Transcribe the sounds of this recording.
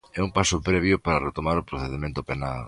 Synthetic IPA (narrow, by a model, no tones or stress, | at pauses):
ɛumpasʊpɾɛβjʊpaɾɐret̪omaɾʊpɾoθeðemẽnt̪ʊpenal